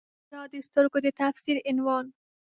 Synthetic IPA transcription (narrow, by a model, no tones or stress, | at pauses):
ɾɑːd̪est̪ʊɾɡod̪et̪afsiɾɪnwɑːn